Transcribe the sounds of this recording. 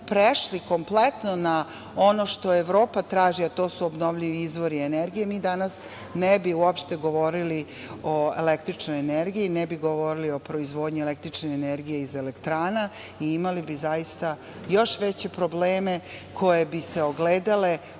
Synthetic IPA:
pɾeʃliko̞mplet̪no̞na | o̞noʃt̪o̞eʋɾo̞ːpat̪ɾaːʒiat̪oːsuobno̞ʋʎiʋiizʋoɾieneɾɡije̞miːd̪anas | nɛbiuopʃt̪e̞ɡo̞ʋo̞ɾili | oḛlekt̪ɾit͡ʃnojeneɾɡijinɛbiɡoʋo̞ɾilio̞pɾo̞izʋo̞ːd̪ɲielekt̪ɾit͡ʃneeneɾɡijeizelekt̪ɾaːna | iimalibizajist̪a | jo̞ʃʋet͡ɕe̞pɾo̞bleːme̞kʰo̞jebise̞oɡleːd̪ale̞

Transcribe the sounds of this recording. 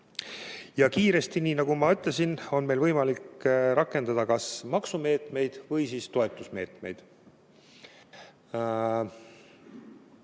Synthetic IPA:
jɑkiːɾe̞st̪iniːnɑɡumɑyt̪ˑlesino̞nme̞jlvɤjmɑlikɾɑkːˑe̞nd̪̥ɑd̪̥ɑkɑsmɑksume̞ːt̪me̞jd̪̥vɤjsiːst̪o̞e̞t̪ːˑusme̞ːt̪me̞jd̪̥

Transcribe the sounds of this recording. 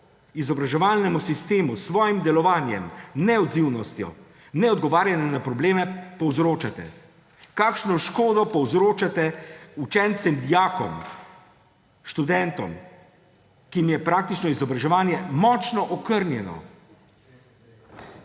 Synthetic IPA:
izɔbɾaʒɛʋaːlnɛmusist̪eːmusʋɔːjimd̪ɛlɔʋaːnjɛmnɛɔd̪ziwnɔst̪jɔ̰ | nɛɔd̪ɡɔʋaːɾjanɛnapɾɔbleːmɛpɔwzɾoːt͡ʃat̪ɛ̰ | kaːkʃnɔʃkoːd̪ɔpɔwzɾoːt͡ʃat̪ɛut͡ʃɛnt̪sɛmd̪ijaːkɔ̰m | ʃt̪ud̪ɛnt̪ɔm | kiimjɛpɾaːk̚t̪it͡ʃnɔizɔbɾaʒɛʋaːnjɛmɔːt͡ʃnɔʔɔkəɾnjɛnɔ̰

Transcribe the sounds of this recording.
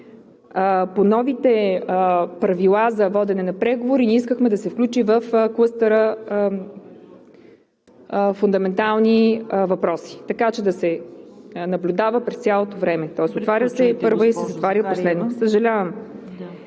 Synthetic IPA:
ponɔvit̪ɛ | pɾɐvilˠazɐvɔd̪ɛnɛnɐpɾɛɡovoɾinʲɛiskəxmɛd̪ɐsɛfklʲut͡ʃivəfklˠəst̪əɾə | fund̪ɐmɛnt̪alˠnivɐpɾɔsi̥t̪ɐkat͡ʃɛd̪ɐsɛ | nɐblʲud̪avəpɾɛst̪sʲjalˠot̪ovɾɛmɛt̪ɔɛsot̪vaɾʲəsɛpɤɾvoisɛzɐt̪vaɾʲəposlɛd̪nosəʒɐlʲavəm

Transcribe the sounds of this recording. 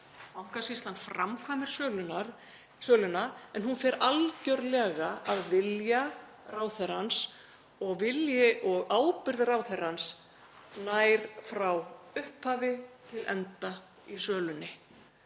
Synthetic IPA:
mawŋ̥kasist̪lanfɾamkʰvaːmɪɾ̥sœːlʏnaɾ | sœːlʏnaɛnɦunfɛɾalcœɾlɛːɣaaðvɪlja | raːwθɛr̥ans | ɔɣvɪljɪʔɔɣaːwpʏɾðraːwθer̥hans | naːjɾ̥fɾawʏhphaːvɪt̪ʰɪlʔɛ̰nt̪a | isœːlʏnːɪ

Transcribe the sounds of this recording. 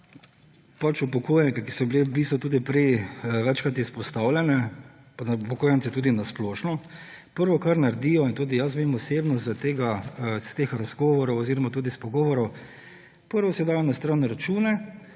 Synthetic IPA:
pat͡ʃupɔkoːjɛnkɛki̥sɔbilebiːst̪ʋɔt̪uːd̪ipɾɛjʋɛt͡ʃkɾat̪ispɔst̪awlʲjɛnɛ | paupɔkoːjɛnt̪sɛt̪uːd̪inasploːʃnɔ | pəɾʋɔkaɾnaɾd̪iːjɔint̪uːd̪ijasmemɔseːbnɔzt̪eːɡast̪eːxɾazɡɔːʋɔɾɔwɔziːɾɔmat̪uːd̪ispɔɡɔːʋɔɾɔw | pəɾʋɔsɛjɛd̪aːjɔnast̪ɾanɛɾat͡ʃuːnɛ

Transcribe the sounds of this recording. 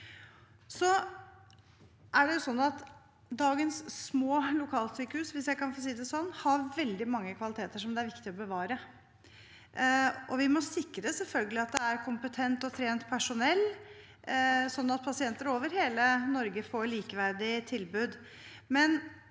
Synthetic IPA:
sɔ | ʔæɖɛjʊsɔnːɑt̪ | d̪ɑːɡənsːmoːlʊkʰɑːlt̪syːkəhʉːsʋɪsjæɪkɑnfos̬iːd̪ɛsɔnːhɑɾʋɛld̪ɪmɑŋːəkʰʋɑlɪt̪ʰeːt̪əʂɔmd̪ɛæɾʋɪkt̪ɪɔbəʋɑːɾə | ɔʋɪmɔsɪkːɾəsɛlfœlɡəlɪɑt̪̚d̪ɛæɾkʰʊmpət̪ʰɛnt̪ɔt̪ʰɾeːnt̪pʰæʂʊnɛlː | sɔnːɑt̪̚pʰɑsɪɛnt̪əɾoːʋəɾheːlənɔɾɡəfoːɭiːkəʋæɾɖɪt̪ʰɪlbʉːd̪ | mɛn

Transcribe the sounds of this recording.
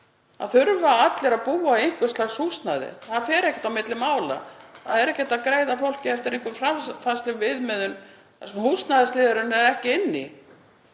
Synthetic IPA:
a̰ðθʏɾvaat̪lɛɾaðpuːaejŋ̥kvʏ̥slaxshust̪naðɪ̰θaðafɛːɾɛhcɛ̥t̪awmɪt̪lɪmːaːwla̰θaðɛɾɛhcɛt̪aðkɾeːjðafowl̥cɪɛft̪ɪɾejŋ̥kvʏfɾafanst̪lʏɣvɪðmɛðʏn | ɛsmhust̪naðɪst̪ɪːðaɾʏnːɛɾɛhcɪɪnːɪ̰

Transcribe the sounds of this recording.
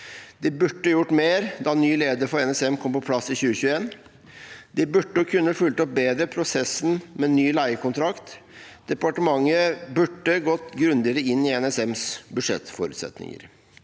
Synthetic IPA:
d̪̥ɪbʉʈːəjʊʈːmeːɾd̪ɑnyːleːd̪əɾfɔɾɛnɛsɛmkʰɔmpɔpʰlɑsɪçʉːəçʉːəeːn | d̪ɪbʉʈːəɔkʰʉnːəfʉlt̪əɔp̚beːd̪ɾəpʰɾʊsɛsːn̩mɛnyːlæɪəkʊnt̪ʰɾɑkt̪d̪̥ɛpɑʈəmɑŋːəbʉʈːəɡɔt̪ɡɾʉnd̪ɪɾəɪnːɪɛnɛsɛmsbʉʂɛ̰t̪ːfɔɾʉːt̪sɛ̰t̪nɪ̰ŋə̰ɾ

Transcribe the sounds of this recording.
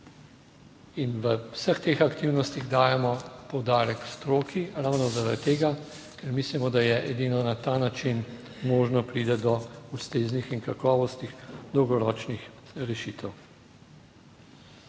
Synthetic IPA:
inʋəwsəxt̪eːxakt̪iwnɔst̪iɣd̪aːjɛmɔpɔwd̪aːɾɛkst̪ɾoːkʰiɾawnɔzaɾat̪ːeːɡa | kɛɾmislimɔd̪ajɛʔɛd̪iːnɔnat̪anat͡ʃin | moːʒnɔpɾiːd̪ɛd̪ɔust̪eːznixinkakɔːʋɔst̪ixd̪ɔwɡɔɾɔːt͡ʃnix | ɾɛʃiːt̪ɛw

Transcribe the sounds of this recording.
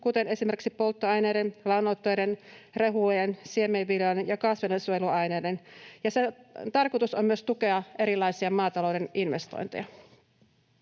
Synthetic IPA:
kut̪e̞ne̞sime̞rksipo̞lt̪ːoɑjneːdenlɑwnːot̪ːojdenreɦujensiemeʋːilɑnjɑkɑsʋedensuojeluɑjneːdenjɑset̪ɑrkot̪usommyøst̪uke̞ɑʔe̞ɾilːˑɑjsiɑmɑːt̪ɑlowde̞ninʋe̞st̪o̰jnt̪ejɑ

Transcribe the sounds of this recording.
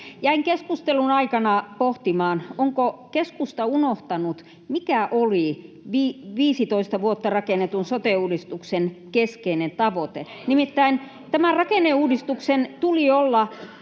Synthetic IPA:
jæiŋkeskust̪elunɑikɑnɑpoht̪imɑːnoŋkokeskust̪ɑunoht̪ɑnut̪ | mikæʔoli | ʋiːʋiːsit̪oist̪ɑʋuot̪ːɑrɑkenet̪unsot̪euːdist̪uksenkeskeinent̪ɑʋot̪e | nimit̪ːæin | t̪æmærɑkeneuːdist̪uksent̪uliolːɑ

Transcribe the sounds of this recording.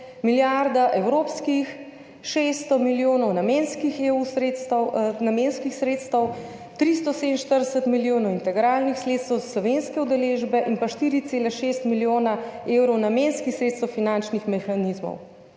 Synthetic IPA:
miljaɾd̪aʔɛwɾoːpskix | ʃest̪ɔmiljoːnɔwnamenskixeusɾet̪st̪wnamenskixsɾet̪st̪əw | t̪ɾist̪ɔsed̪nʃt̪əɾd̪ɛsət̪miljoːnɔwint̪ɛɡɾalnixsleːt̪st̪əwzaslɔʋenskɛud̪ɛleːʒbɛʔinpaʃt̪iɾit̪seːlɛʃest̪miljoːnaewɾɔwnamenskixsɾet̪st̪əwfinant͡ʃnixmɛxanizmɔ̰w

